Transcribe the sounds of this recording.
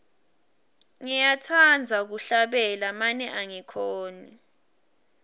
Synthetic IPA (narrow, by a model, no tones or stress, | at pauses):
ŋɛjatʰand͡zʱak̬uɬaɓɛlamanɛʔaŋikʰoːni